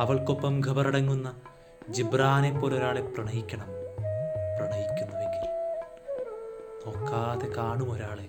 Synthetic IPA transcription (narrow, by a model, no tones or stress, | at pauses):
ɐʋɐɭko̞pːɐmɡʱɐbɐrɐɽɐŋːunːɐ | d͡ʑibraːnepːo̞ːloɾaːɭe̞prɐɳɐjikʲːɐɳɐm | prɐɳɐjikʲːunːɐʋeŋɡil | oːkːaːðekaːɳumo̞ɾaːɭe̞